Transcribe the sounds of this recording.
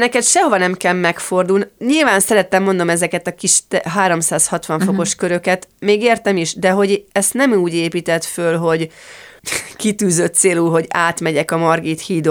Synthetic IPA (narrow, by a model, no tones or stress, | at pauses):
nɛkɛt̪ʃɛɦo̞vɒnɛmkɛlmːɛkfo̞rd̪uːlnɲilvaːnsɛɾɛt̪ːɛmːo̞nd̪o̞mɛzɛkɛt̪ɒkiʃt̪ɛɦaːɾo̞msaːshɒt̪ʋɒɱfoko̞ʃkøɾø̞kɛt̪meːɡeːrt̪ɛmiʃd̪ɛɦo̞ɟɛst̪nɛmuːɟeːpiːt̪ɛt̪følɦo̞ɟ | kit̪yːzøt̪seːlulɦo̞ɟaːt̪mɛɟɛkɒmɒrɡiːt̪hiːd̪o